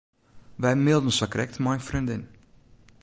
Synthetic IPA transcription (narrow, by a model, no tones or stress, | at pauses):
ʋɛjmɪlˠdən̩sakɾɛ̰k̚tmajfrindɪn